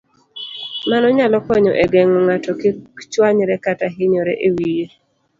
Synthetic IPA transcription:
manɔɲalɔkɔɲɔ̰ʔɛɡɛŋɔŋatɔkɪt͡ʃwaɲɾɛkataɦɪɲɔɾɛ̰ʔewije

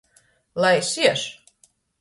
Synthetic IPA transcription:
lˠajsiɛʃ

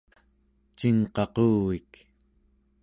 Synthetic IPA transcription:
t͡ʃiŋqɑquːɣik

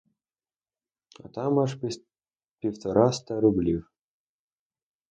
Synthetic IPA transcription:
ɑ̰t̪ɑmɑʂ | pʲift̪oɾʔɑst̪ɑɾublʲiw

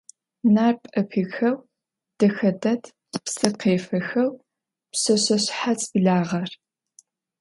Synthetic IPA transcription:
naːrpʼɐpʰixɐw | d̥ɐxɐdɐtʰ | psɐtqʰeːfɐxɐw | psɐɕɐɕħat͡sʼbɮaːʁɐr

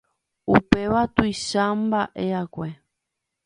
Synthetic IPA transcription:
upe̞ʋat̪ujʃambaʔeakʷe

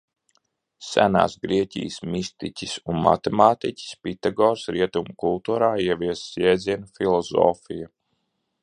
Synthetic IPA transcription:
sæ̰na̰ːsɡɾiɛcḭjsmist̪icʲisunma̰t̪ɛmaːt̪icʲi̥spit̪aɡɔːɾsɾiɛt̪umukulˠt̪uːɾaːiɛviɛsjɛːd̪ziɛnufilˠɔzɔ̰ːfija

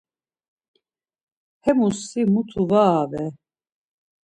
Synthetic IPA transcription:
hɛmusimut̪ʰuvaːvɛ

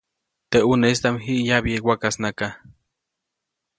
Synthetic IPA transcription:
t̪eʔuneist̪amɦiʔjaβiewakasnaka

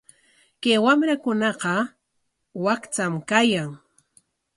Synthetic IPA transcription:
kajwamɾakʊnɑqɑ | wakt͡samkajaŋ

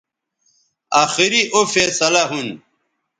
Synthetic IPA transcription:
aːxiɾiʔofeːsɐlaɦun

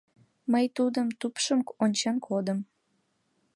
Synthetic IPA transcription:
məjt̪ud̪əmt̪upʃəmonʲt͡ɕɑnkʰod̪əm

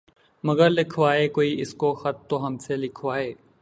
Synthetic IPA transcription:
məɡəɾlɪkʰʋaːeːkoːiʔɪskoxɐt̪̚ːoːɦɐmselɪkʰʋaːeː

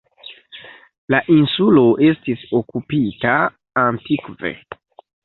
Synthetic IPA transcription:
laʔinsulo̞ʔe̞stiso̞kupita | antikvḛ

